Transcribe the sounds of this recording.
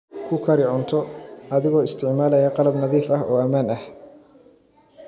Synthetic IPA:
kʰʊkʰɐɾɪʕʊnt̪ʰɔɐðɪɣɔːɪst̪ʰɪʕmaːlɛjɐqɑlɐbnɐðiːfɐɦɔːɐmaːnɐh

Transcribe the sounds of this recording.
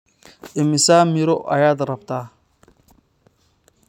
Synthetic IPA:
ʔɪmɪsaːmɪɾɔʔɐ̰jaːd̪rɐbt̪ʰaː

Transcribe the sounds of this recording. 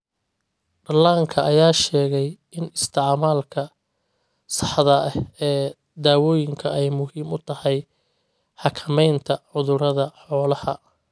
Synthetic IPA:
ɖɐlaːŋkʰɐɐjaːʃɛːɣɛj | ɪnɪst̪ʰɪʕmaːlkʰɐ | sɑ̥ħðɐhɛː | d̪aːwɔːjɪŋkʰɐɛjmʊɦiːmʊt̪ʰɐhɛj | ħɑkʰɐmɛjnt̪ʰɐʕʊðʊɾɐðɐħɔːlɐhɐ

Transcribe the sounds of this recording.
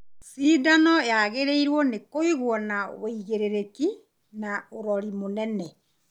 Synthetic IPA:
siːdanɔjaɣeɾeiɾwɔnekoiɣwɔnaweiɣeɾeɾeki | naoɾɔɾimonɛnɛ

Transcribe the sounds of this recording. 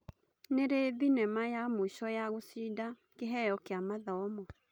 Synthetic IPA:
neɾeðinɛmajamoiʃɔjaɣosida | keɦɛjɔkeamaðɔɔmɔ

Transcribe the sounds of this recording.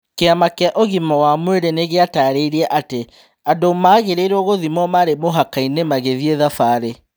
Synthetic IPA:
keamakaʔoɣimɔwamweɾeneɣeataːɾeiɾiɛʔate | adomaːɣeɾeɾoɣoðimɔmaɾemoɦakainemaɣeðieðafaːɾe

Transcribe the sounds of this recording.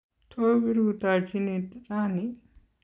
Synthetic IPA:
t̪ʰoʋiɾut̪at͡ʃineːt̪t͡saːni

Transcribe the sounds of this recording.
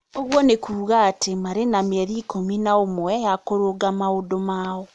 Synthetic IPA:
oɣwɔnekuːɣaːtʰemaɾenameɾiːkominaomwwɛjakoɾoɡamaodomaːwo

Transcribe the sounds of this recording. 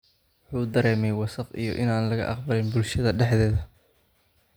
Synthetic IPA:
ʊħuːd̪ɐɾɛːmɛjwɑsɐqḭjɔ̰ʔɪnaːnlɐɣɐ̰ʔɑ̰qbɐlɪnbʊlʃɐðɐɖɛħðɛːðɐ

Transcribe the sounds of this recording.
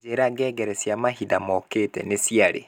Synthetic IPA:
eɾaɡɛːɡɛɾɛsjamahidamɔketɛ̰nesiaɾḛ

